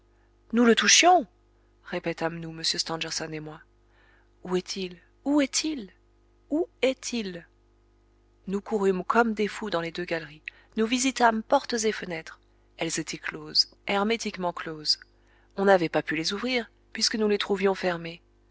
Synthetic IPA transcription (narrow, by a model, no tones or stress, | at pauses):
nulət̪uʃjɔ̃ | ʁepɛt̪amnuməsjøst̪ɑ̃d̪ɛʁsɔnemwa | uɛt̪ʰil | uɛt̪ʰil | uɛt̪ʰil | nukuʁymkʰɔmd̪efud̪ɑ̃led̪øɡalʁi | nuvizit̪ampɔʁt̪zefənɛt̪χ | ɛlzet̪ʰɛklozɛʁmet̪ikmɑ̃kloz | ɔ̃navɛpapylezuvʁiʁ | pɥiskənulet̪χuvjɔ̃fɛʁme